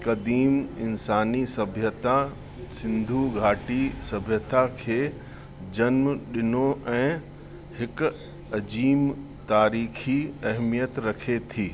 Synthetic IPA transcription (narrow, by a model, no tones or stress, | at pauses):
kɐd̪iːmɪnsaːnisɐbʱjət̪a | sɪ̃nd̪ʱuɡʱaːʈisɐbʱjət̪akʰeː | d͡ʑɐnmɗɪnoɛ̃ː | hɪk | ɐd͡ʑiːm | t̪aːɾiːkʰiɐɦmijət̪ɾɐkʰet̪ʰiː